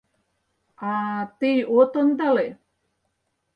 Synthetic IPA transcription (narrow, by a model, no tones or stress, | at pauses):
at̪ijot̪ond̪ale